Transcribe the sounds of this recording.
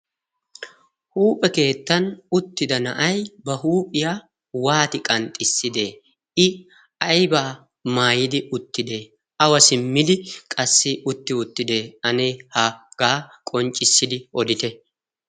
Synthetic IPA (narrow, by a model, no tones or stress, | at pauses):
huːpʼɛke̞ːt̪ːɐnʊt̪ːɪd̪ɐnɐ̰ʔɐjbɐhuːpʼɪjaː | waːt̪ɪkʼɐnt̪ʼɪsːɪd̪e | ɪ | ɐjbaː | maːjɪd̪ɪʔʊt̪ːɪd̪e | ɐwɐsɪmːɪd̪ɪkʼɐsːɪʔʊt̪ːɪʊt̪ːɪd̪eːɐneːhɐɡ̥aːkʼɔnt͡ʃʼːɪsːɪd̪ɪɔd̪ɪt̪ɛ